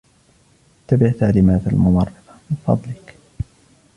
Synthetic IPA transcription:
ɪt̪ːabɪʕt̪aʕliːmaːt̪almʊmɑrˤːɑd̪ɑmɪnfɑ̰d̪ˤlɪk

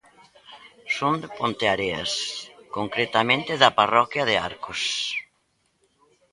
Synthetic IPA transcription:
sõnd̪ɪpõnt̪eaɾea̰skoŋkɾet̪amẽnt̪ɪðaparɔkjaðea̰ɾkos

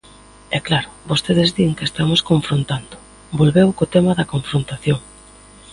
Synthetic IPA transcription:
ɛklaɾʊβost̪eðɪzðiŋkest̪amoskoɱfɾont̪and̪ʊ | bolβewkot̪ɛmɐðɐkoɱfɾont̪aθjoŋ

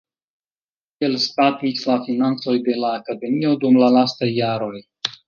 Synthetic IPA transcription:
elspat̪isʲlafinant͡so̞jd̪e̞laːkad̪e̞mio̞d̪umlalast̪ajːaɾo̞j

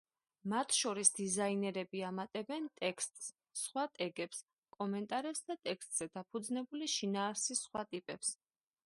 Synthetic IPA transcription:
mat̪ʰʃɔɾisd̪̥izainɛɾɛbiamat̪ʼɛbɛnt̪ʼɛkst̪ʼsː | χwat̪ʼɛɡɛps | kʼɔmɛnt̪ʼaɾɛpsd̪at̪ʼɛkst̪ʼz̥ɛd̪apʰud̪znɛbuliʃinaːɾsisχwat̪ʼipʼɛps

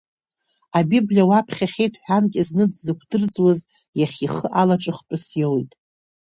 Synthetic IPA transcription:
abiblʲawapʰχʲaχʲejtʰħᶣankʲʼɪznɨd͡zzɨkʷʰd̥ɨrd͡zʼwaz | jaχʲiχəʔalaʈ͡ʂʼɨχpʼɨsjowjtʼ

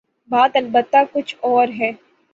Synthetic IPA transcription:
baːt̪ɐlbət̪ːakʊt͡ʃʰɔːɾɦɛː

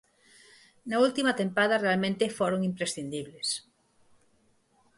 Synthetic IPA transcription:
nault̪imat̪ẽmpaðɐrealmẽnt̪efoɾoŋimpɾesθind̪iβles

